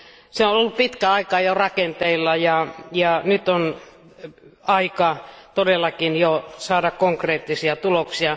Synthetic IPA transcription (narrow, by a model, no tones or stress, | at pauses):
seonolːuppit̪kæɑikɑjorɑkent̪eilːɑjɑjɑnyt̪on | ɑikɑt̪odelːˑɑkinjosɑːdɑkkoŋkreːt̪ːisiɑt̪uloksiɑ